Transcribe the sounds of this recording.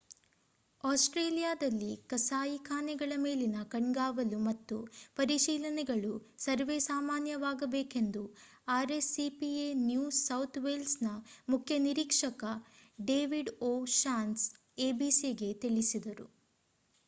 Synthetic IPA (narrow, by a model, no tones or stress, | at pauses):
aːsʈɾeːlijaːd̪ɐlːikɐsaːjikʰaːnɛɡɐɭɐme̞ːlinɐkɐɳɡaːʋɐlumɐt̪ːupɐɾiʃiːlɐnɛɡɐɭusɐɾʋesaːmaːnjɐʋaːɡɐbeːke̞nd̪u | aːɾesipienjuːɐwt̪ʰʋelsnɐmukʰjɐniɾiːkʂɐkɐɖe̞ːʋiɖoːʃaːns | eːbiːsiɡe̞t̪iɭisid̪ɐɾṵ